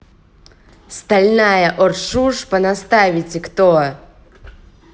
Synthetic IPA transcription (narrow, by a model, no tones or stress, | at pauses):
st̪alʲnajɐʔɔrʂuʂpɐnast̪avʲitʲɪkt̪o